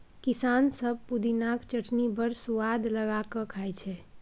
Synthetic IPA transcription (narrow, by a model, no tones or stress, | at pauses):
kisansəb̚ʱpud̪inakt͡ʃəʈʰnibəɾsuwad̪ləɡakəkʰajt͡ʃʰɛ